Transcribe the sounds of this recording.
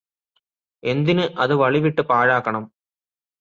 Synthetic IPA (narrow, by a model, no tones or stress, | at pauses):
ɛnd̪ɪnɯʔɐðɯʋɐɭɪʋɪʈːɯpaːɻaːkːɐɳɐm